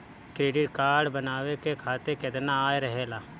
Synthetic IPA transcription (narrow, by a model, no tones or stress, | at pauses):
kɾeːɖɪʈkaːɾɖbənaːwekekʰaːt̪eked̪naaːeɾəɦeːlaː